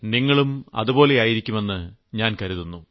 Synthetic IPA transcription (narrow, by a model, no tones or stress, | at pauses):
niŋːɐɭumɐ̰ðubo̞ːle̞aːjiɾikʲːume̞nːɨɲaːnkɐɾuðunːu